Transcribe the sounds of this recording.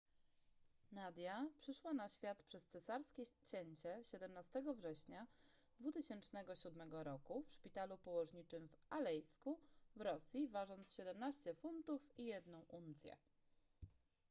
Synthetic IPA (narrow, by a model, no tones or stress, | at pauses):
nad̪ʲjapʂɘʂwanaɕfʲjat̪pʂɛst̪sɛsaɾskʲɛt͡ɕɛɲt͡ɕɛɕɛd̪ɛmnast̪ɛɡɔvʐɛɕɲa | d̪vut̪ɘɕɛnt͡ʂnɛɡɔɕud̪mɛɡɔɾɔkufʂpʲit̪alupɔwɔʐɲit͡ʂɘmvalɛjskuvɾɔsʲjivaʐɔnt̪sɕɛd̪ɛmnaɕt͡ɕɛfunt̪ufijɛd̪nɔ̃w̃ʔunt̪sʲjɛ̰